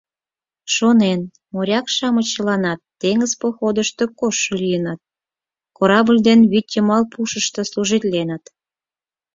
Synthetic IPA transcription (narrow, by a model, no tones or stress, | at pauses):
ʃonen | moɾʲɑkʃɑmət͡ɕəlɑnɑt̪ːeŋəzpoxod̪əʃt̪okoʃːolijənɑt̪̚ | koɾɑbəlʲd̪enβyt̪ʲːəmɑlpuʃəʃt̪əsluʒit̪lʲenət̪